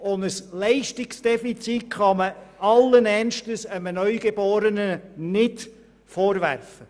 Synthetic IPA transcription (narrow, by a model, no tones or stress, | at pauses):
ʊndəslɛɪʃtɪksd̥ɛfit͡sitχɑməɑlːənɛnʃtəsəmənœʏɡ̥eboːɾənənɪt | foːɾvæ̰rfə